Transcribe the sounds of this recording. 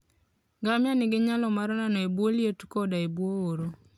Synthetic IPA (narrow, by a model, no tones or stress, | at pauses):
ɡamjanɪɡɪɲalɔmaɾɔnanɔebwoljetkɔdaebwooɾo